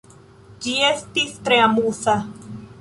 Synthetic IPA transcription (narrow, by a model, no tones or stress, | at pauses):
d͡ʒiest̪ist̪ɾeamuθa